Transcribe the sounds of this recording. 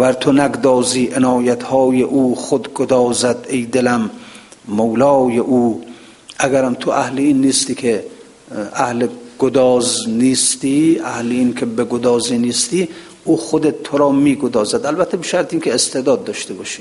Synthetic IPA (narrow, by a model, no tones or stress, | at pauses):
væɾt̪ʰonæɡd̪ɒːziːʔenɒːjæt̪hɒːjeʔuːχod̪ɡod̪ɒːzæd̪ejd̪elæmː | owlɒːjeʔuː | ʔæɡæɾæmt̪ʰoʔæhleiːnːiːst̪iːkʰe | æhleɡ̥od̪ɒːzniːst̪iːæhleiːnkʰebeɡod̪ɒːziːniːst̪iː | uːxod̪et̪̚t̪ʰːoɾɒːmiːɡod̪ɒːzæd̪ælbæt̪ʰːebeʃæɾt̪ʰeiːnkʲʰeːst̪ʰed̪ɒːd̪̚ːɒːʃt̪ʰebɒːʃiː